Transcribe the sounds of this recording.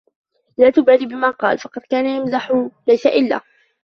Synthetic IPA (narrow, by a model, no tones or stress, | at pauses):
laːt̪ʊbaːliːbɪmaːqɑ̰ːlfɑqɑd̪kaːnajamzaħʊlajsaʔɪlːa̰ː